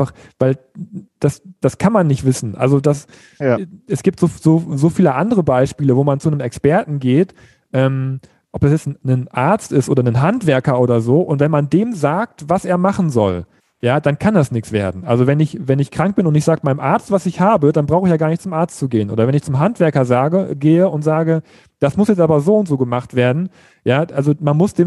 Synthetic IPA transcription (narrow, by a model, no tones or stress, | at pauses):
faχ | vaɪld̥asd̥askʰanmanːɪçtv̥ɪsn̩ʔa̰lzodas | ɛsɡ̥iːp̚tz̥oːz̥oːzoːfiːləʔandəʁəbaɪʃpiːləvoːmant͡sunəmɛkspɛɐtn̩ɡeːt | ʔɛːm | ʔɔp̚asjɛt͡snnənʔa̰ɐt͡stɪstʔoːdɐnənɦantv̥ɛɐkɐʔoːɾɐzoːʔʊntv̥ɛnmandeːmzaːk̚tvaseːɐmaχn̩zɔ̰l | jaːd̥ankʰandasnɪksv̥eːɐdn̩ʔalzovɛnɪçvɛnɪçkʁ̥aŋk̚b̥ɪnʊntɪçz̥aːɡəmaɪnəmʔaɐt͡stv̥asɪçhaːbədanbʁaʊxəçjaːɡaɐnɪçtt͡sʊmʔaɐt͡stt͡suɡeːənʔo̰ːdɐvɛnɪçt͡sʊmɦantv̥ɛɐkɐzaːɡəɡeːəʊntz̥aːɡə | d̥asmʊsjɛt͡stʔaːbɐzoːʊntz̥oːɡəmaχtv̥eːɐdn̩ | jaːʔalzomanmʊsd̥eːm